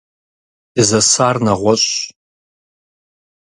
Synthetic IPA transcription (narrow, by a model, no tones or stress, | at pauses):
d̥ɨzɐsaːrnɐʁʷɔɕʷʼ